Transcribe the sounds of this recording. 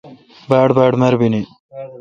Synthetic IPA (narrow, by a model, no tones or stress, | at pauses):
baːɖbaːɖmɐɾbini